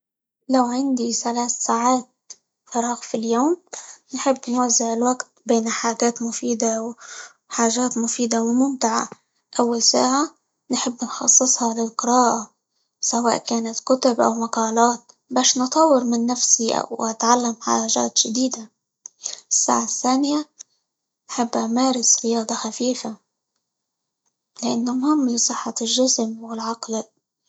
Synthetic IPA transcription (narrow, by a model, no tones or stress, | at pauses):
lawʕand̪iθalaːθsaːʕaːt̪̚ | fɑɾˤɑːɣfiljoːmnħɪbːnwazːɪʕɪlwaɡt̪̚beːnħaːʒaːt̪mʊfiːd̪aw | ħaːʒaːt̪mʊfiːd̪awɪmʊmt̪ɪʕa̰ | ʔawːalsa̰ːʕa | nħɪbːnxɑ̰sˤːɨsˤhɑlɪlqɨɾaːʔa | sawa̰ːʔkaːnat̪kʊt̪ʊbʔa̰wmaqɑːlaːt̪̚ | baːʃnɨt̪ˤɑwːɪɾmɪnːafsiʔa̰wʔat̪ʕalːamħa̰ʒa̰ːt̪ʒ̥ad̪iːd̪a | ʔɪsːa̰ːʕaθːaːnɪja | nħɪbːʔamaːɾɪsɾɪjɑːd̪ˤɑxafiːfa | lɪʔanːʊmhɪmːlisˤɨħːɑlʒɪsmwɪlʕɑql